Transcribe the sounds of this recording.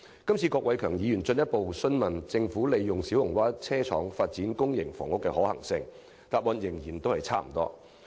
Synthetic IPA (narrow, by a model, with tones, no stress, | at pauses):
kɐ˥mt͡sʰiː˧kɔː˧k̚wɐ˨˥jkʰœː˨˩ŋjiː˨jyː˨˩nt͡sɵ˧njɐ˥t̚po˨wsɵ˥nmɐ˨˩nt͡sɪ˧ŋfuː˨˥le˨jjʊ˨˩ŋsiː˨˥whʊ˨˩ŋwaː˥t͡sʰɛː˥t͡sʰɔ̰ː˨˥ŋfaː˧t̚t͡siː˨˥nkʊ˥ŋjɪ˨˩ŋfɔ̰ː˨˩ŋʊ˥kːɛ˧hɔː˨˥hɐ̰˨˩ŋsɪ˧ŋ | t̪aː˧t̚wɔː˨˧njɪ˨˩ŋjiː˨˩nt̪o˥whɐ˨jt͡sʰaː˥m̩˨˩t̪ɔ̰ː˥